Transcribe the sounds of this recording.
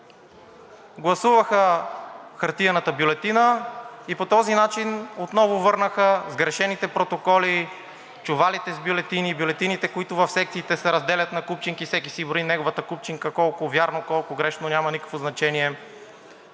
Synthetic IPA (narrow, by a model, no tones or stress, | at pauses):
ɡlˠɐsuvəxə | xɐɾt̪iɐnət̪əbjʊlɛt̪inəipot̪ɔzinat͡ʃinot̪nɔvʊvɤɾnəxəzɡɾɛʃɛnit̪ɛpɾot̪okɔli | t͡ʃʊvalit̪ɛzbʲjolɛt̪inibjolɛt̪init̪ɛkoit̪ʊvɐfsɛk̚t̪siːt̪ɛsɛɾɐzd̪ɛlʲɐt̪nɐkup̚t͡ʃiŋkifsɛkisiboinɛɡovɐt̪əkup̚t͡ʃiŋkəkɔlˠkʊvʲjaɾnokɔlˠkʊɡɾɛʃnonʲamɐnikə̥kvoznɐt͡ʃɛniɛ